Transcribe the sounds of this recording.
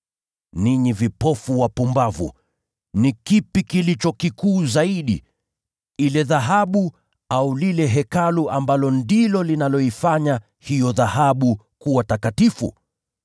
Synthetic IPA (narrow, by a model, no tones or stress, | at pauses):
niɲivipɔfuwapumbavṵ | nikipikilit͡ʃɔkikuːzaiɗḭ | ilɛðaɦaɓu | aulilɛɦɛkaluʔambalɔndilɔlinalɔifaɲa | hijɔðahaɓu | kuwatakatifṵ